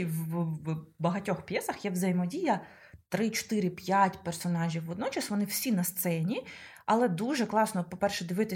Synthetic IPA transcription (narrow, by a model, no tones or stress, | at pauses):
w | bɐɦɐtʲɔxpʲjɛsɐxjɛwzɐjɪmɔdʲijɐ | t̪ɾɪt͡ʃɔ̥t̪ɪɾɪpʲjatʲpɛrsɔnɑʒʲiwɔd̪nɔt͡ʃɐsʋɔnɪw̥sʲinɐst̪sɛnʲi | ɐlˠɛd̪uʒɛklˠɑsnɔpɔpɛrʃɛd̪ɪʋɪt̪ɪ